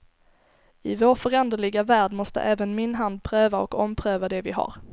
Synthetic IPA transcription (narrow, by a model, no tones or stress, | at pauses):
ɪvoːɾfœɾɛnd̪əɭɪɡavæːɖmɔst̪ə̰ʔɛːvənmɪnɦand̪̚pʰɾøːvaɔkɔmpʰɾøːvad̪ɛvɪɦa̰ɾ